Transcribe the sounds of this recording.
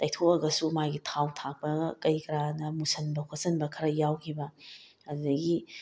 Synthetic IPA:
tajtʰokɐɡɐsumaɡitʰawtʰak̚pɐkɐjkɾanɐmusɐnbɐkʰosɐnbɐkʰɐɾɐjawkʰibɐ | ɐddɐɡi

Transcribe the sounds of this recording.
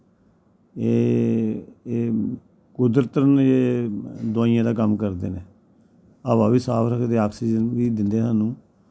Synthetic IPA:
eː | kʊd̪ɾt̪əɾəneːd̪ʊaːijãːd̪aːkəmkəɾd̪ḛːneː | əʋaːʋiːsaːpɾəkʰd̪eːaːksiːd͡ʒəniːd̪ɪnd̪eːsaːnũː

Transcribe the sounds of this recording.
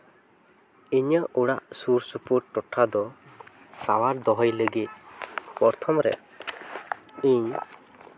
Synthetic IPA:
iɲəuɽa̰ʔsuɾsupuʈʈɔʈʰad̪ɔ | sa̰waɾd̪ɔɦɔjləɡit̪̚pɔɾt̪ʰɔmɾɛ̰ | iɲ

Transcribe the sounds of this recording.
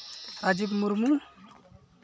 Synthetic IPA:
ɾad͡ʒipmuɾmu

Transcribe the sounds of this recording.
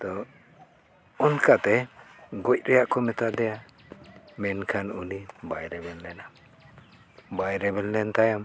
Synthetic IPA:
t̪ɔ | ɔnkat̪ɛɡɔc̚ˀɾɛjaʔkɔmɛt̪ad̪ɛja | mɛnkʰanulibajɾɛbɛlːɛna | bajɾɛbɛllɛnt̪ajam

